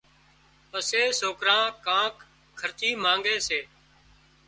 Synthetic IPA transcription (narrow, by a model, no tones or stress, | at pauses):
pəseːsoːkɾãːkãːk | kʰːəɾt̪iːmãːŋɡeːseː